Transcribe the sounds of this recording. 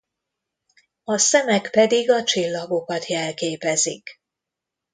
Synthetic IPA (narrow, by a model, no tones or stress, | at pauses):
ɒsɛmɛkpɛd̪iɡɒt͡ʃilːɒɡo̞kɒt̪jɛlkeːpɛzḭk